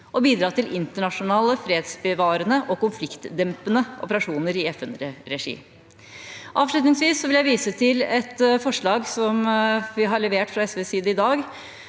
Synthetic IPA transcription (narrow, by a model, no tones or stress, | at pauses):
ʔɔbiːd̪ɾɑːt̪ɪlʔɪnt̪əɳɑʂʊnɑːləfɾeːd̪sbəʋɑːɾənəʔɔkʊnflɪkt̪d̪ɛmpənəʔɔ̰pəɾɑʂuːnəɾɪɛfɛnɾɛʂḭː | ʔɑːʋʂlʉt̪nɪŋsʋiːsːɔʋɪljæɪʋiːsət̪ʰɪlɛt̪fɔʂɭɑːɡsɔmʋɪɦɑɭɛʋeːʈfɾɑɛsʋeːsiːd̪əɪd̪ɑːɡ